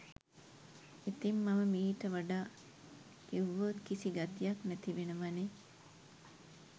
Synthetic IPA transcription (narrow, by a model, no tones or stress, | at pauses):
it̪imːaməmiːʈəʋaɖaː | kiʋːot̪kisiɡat̪ijɐknæt̪iʋenəʋane